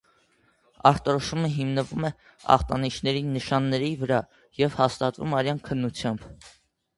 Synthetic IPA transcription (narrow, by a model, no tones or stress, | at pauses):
ɑɾt̪ɔɾɔʃuməɦimnəvumɛ | ɑ̰χt̪ɑniʃʰnɛɾinəʃɑnːɛɾivəɾɑ | jɛv̥hɑst̪ɑt̪vṵmɑɾjɑnkʰənːut͡sʰjɑmb